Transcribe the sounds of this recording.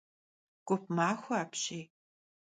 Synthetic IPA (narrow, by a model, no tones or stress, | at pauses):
ɡ̥ʷʊp̚maːxʷɔaːpɕiː